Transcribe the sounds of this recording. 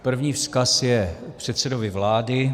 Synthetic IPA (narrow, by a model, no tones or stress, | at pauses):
pr̩vɲiːfskasjɛpr̝̥ɛt̪sɛdovɪvlaːdɪ